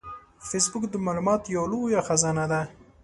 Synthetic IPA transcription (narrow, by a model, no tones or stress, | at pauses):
fesbʊkd̪əmɑlumɑt̪jawlojaxazɑnad̪a